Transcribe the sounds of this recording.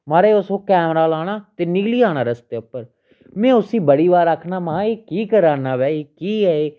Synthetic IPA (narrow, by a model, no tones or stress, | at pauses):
maːɾeːʊsõːkɛːmɾaːlaːɽ̃aːt̪eːnɪɡliːaːɽ̃ãːɾəst̪eːʊpːəɾ | mɛ̃ːʊsiːbəɽiːbaːɾəkʰnaːmãːeːkiːkəɾaːnaːʋɛːeːkiːɦɛːeː